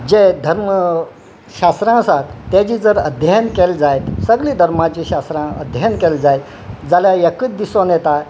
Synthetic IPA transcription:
d͡ʑed̪ʱəɾm | ɕast̪ɾãsat̪ːjad͡ʑiːd͡zəɾə̰d̪ʱjajnkeld͡zajt̪səɡliːd̪ʱəɾmat͡ɕiːɕast̪ɾãə̰d̪ʱjajnkeld͡zajt̪ | d͡zaljajəkət̪̚d̪isonɛt̪a

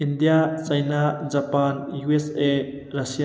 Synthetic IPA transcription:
ind̪jat͡sajnad͡ʒapan | juese | ɾasia

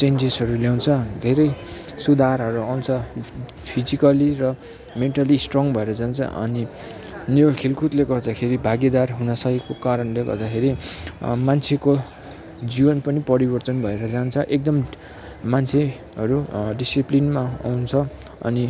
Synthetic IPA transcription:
t͡send͡zesɦʌɾuljawnt͡sʰʌd̪ʱeɾʌj | sud̪ʱaɾɦʌɾuawnt͡sʰʌ | pʰid͡zikʌlirʌ | meɳʈalisʈrɔŋbʱʌeɾʌd͡zant͡sʰʌ̰ʔʌ̰ni | njokʰilkʰut̪leɡʌrd̪akʰeɾibʱaɡed̪arɦunʌsʌikokaɾʌnleɡʌ̰rd̪akʰeɾi | mant͡sʰeko | d͡zibʌnpʌnipʌɾibʌrt̪ʌnbʱʌeɾʌd͡zant͡sʰʌʔek̚d̪ʌm | mant͡sʰe | ɦʌɾuɖisiplinmaa̰wnt͡sʰʌ | ʌ̰ni

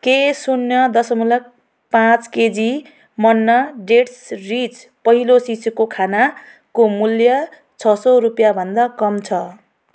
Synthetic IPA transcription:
kesunːjʌd̪ʌsʌmulʌk̚ | pãt͡sked͡zi | mʌnːʌɖeʈsrit͡s | pʌɦilosisikokʰana | komuljʌ | t͡sʰʌsʌrupjabʱʌnd̪akʌmt͡sʰʌ

